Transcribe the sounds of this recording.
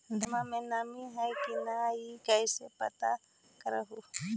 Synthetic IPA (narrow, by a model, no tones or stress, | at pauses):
d̪ʱɐmãmẽnamiɦɛjkinaikɛjsepə̰t̪a | kəɾəɦu